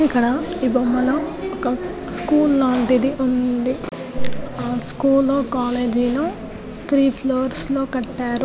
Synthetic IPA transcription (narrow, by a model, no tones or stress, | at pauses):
ikːɐɽɐibɐmːɐlɐɔkɐ | skuːlːaːɳʈid̪iʔund̪i | aːskuːlːoːkaːleːd͡ʒiːlo | t̪ʰɾiːpʰloːɾsloːkɐʈːaːɾu